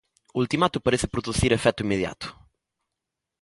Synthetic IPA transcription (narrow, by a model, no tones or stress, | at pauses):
ult̪imat̪ʊpaɾeθɪpɾuðuθiɾefɛt̪ʊimːeðja̰t̪ʊ̥